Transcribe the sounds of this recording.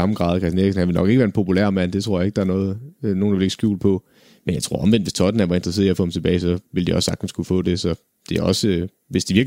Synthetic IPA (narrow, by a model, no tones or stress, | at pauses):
ɑ̈mɡ̥ʁɑ̰̈ːð̞̩ˠkʰɛsneɐɡ̥sn̩hænʋe̝lnɒ̽ɡ̥eɡ̥ʋæːɐnpʰo̝pʰulæ̰ɐmæn̰d̥e̝t͡sʰʁo̝ɐ̰jɑe̝ɡ̥̚ɑ̈æɐnɔ̽ːð̩ˠno̝ːndɑʋele̝ɡ̥sɡ̥jṵːl̥̚pʰɒ̽ | menjɑ̈ɪt͡sʰʁo̝ɐ̰ɒ̽mʋen̰d̥ʋe̝st͡sʰɒ̽d̥n̩æʋɑ̈e̝nd̥ʁse̝ðˠiæɐfɔ̥̽ːem̩t͡sʰe̝b̥ɛːɪsɒ̽ʋeld̥iɒ̽sːɑ̈ɡ̥̚d̥n̩skʰufɔ̰̽ːd̥e̝sɒ̽ | d̥e̝æɒ̽sə | ʋe̝sd̥iʋiɐɡ̥